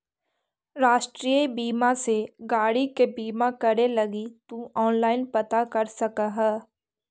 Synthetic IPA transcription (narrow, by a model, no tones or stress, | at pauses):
ɾaːʃʈɾiəibiːmãseɡaːɽikebiːmakɐɾelɐɡit̪ũɔːnlaːɪnpɐt̪akɐɾsɐkaɦɛː